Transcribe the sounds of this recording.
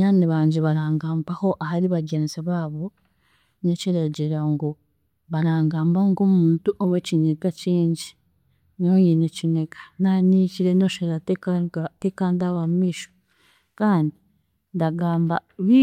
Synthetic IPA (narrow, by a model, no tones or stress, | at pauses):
ɲaːniβaːɲɟeβaɾaːŋɡaːmbaho̞ʔahaɾiβaɡeniseβaːβo | neciɾeɟeɾaŋɡo | βaɾaːŋɡaːmbaŋɡomuːntuʔoβwecinekat͡ʃiːɲɟi | nojenecinekḁnaniciɾenoʃeɾa | tekandaβamumiːʃo̥ | kaːndi | ndaɡaːmba̰βi